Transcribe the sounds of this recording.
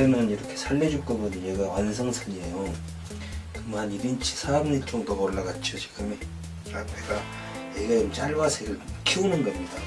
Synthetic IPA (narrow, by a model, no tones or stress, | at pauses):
enɯniɾʌkʰe̞sʰaʎːed͡ʑuk͈obunijeɡawans̬ʰʌŋsʰaʎiejo | kɯmaniɾint͡ɕʰi̥sʰabnit͡ɕ͈oŋdomoɭːaɡat͡ɕʰiot͡ɕi̥ɡɯmi | apʰeɡa | eɡemt͡ɕaɭwasʰeɡɯɭkʰiunɯnɡʌmɲida